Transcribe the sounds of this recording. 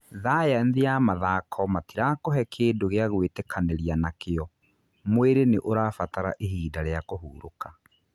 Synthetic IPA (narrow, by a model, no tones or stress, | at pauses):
ðaːjɛnðiamaðaːkʰɔmatiɾakoɦɛkʰeːdoɣeaɣwetekʰaneɾianakeɔ | mweɾeneʔoɾaːfataɾa̰ʔeɦiːdaɾeakoɦuːɾo̰ka